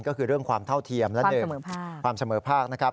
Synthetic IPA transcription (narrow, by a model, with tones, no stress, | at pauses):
nkɔː˥˩kʰɯː˧ɾɯ˥˩əŋkʰwaː˧mt̪ʰa˥˩wt̪ʰi˧əmlɛ˦˥dɤː˧mː˩˦pʰaː˥˩kkwaː˧msa˧mɤː˩˦pʰaː˥˩k̚na˦˥kʰɾa˦˥p̚